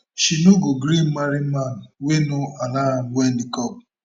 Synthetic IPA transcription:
ʃinuɡoɡɾim̩maɾiman̩wenoalaɾawɛn̩dikɔp̚

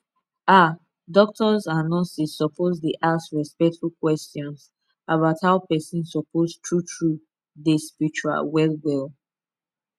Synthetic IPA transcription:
a | dɔk̚tɔzanɔ̃sisːɔpʰozdeʔasɹispɛk̚tfbulkwɛstjɔ̃ns | abaʊthaʊpɛsĩnsɔpʰoztʰɹutʰɹu | despiɹit͡ʃua̰lwɛlwɛlˠ

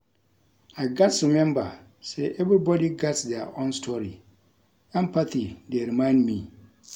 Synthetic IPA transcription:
aɪɡatsʊmɛ̃mba̰ | sɛʔɛvɾibɔdiɡɛtsdɛʔɔ̃nstʰɔɾi | ɛ̃mpʰatideɾimãɪ̃ndmĩ

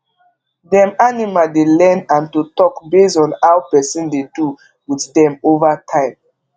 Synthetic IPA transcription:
dɛ̃manimadelɛ̃nãntutɔkbesɔ̃nawpɛsɔ̃ndedu | witdɛ̃movatʰãɪ̃m

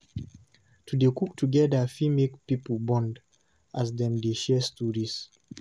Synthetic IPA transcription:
tʰudekuk̚tʰuɡɛdəfimekpipəbɔ̃nd | ʔazdɛ̃mdeʃɛstudiz̥

